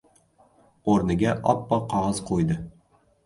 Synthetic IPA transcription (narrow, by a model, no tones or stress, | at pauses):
oɾnɪɡʲaʔɒ̰pːɒqʰɒʁɑz̥qʰojd̪ɪ